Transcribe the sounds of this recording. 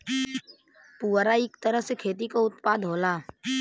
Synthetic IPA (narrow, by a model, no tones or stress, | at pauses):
puːɾaɪkt̪əɾəɦsekʰeːt̪̬ikoʊt̪paːd̪ʱɦoːlaː